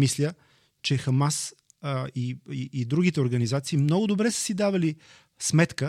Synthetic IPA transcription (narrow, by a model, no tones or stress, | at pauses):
mislʲə | t͡ʃɛxɐmas | iiːd̪ɾuɡit̪ɛoɾɡənizat̪siːmnɔɡʊd̪obɾɛsə̥sid̪avɐli | smɛt̪kə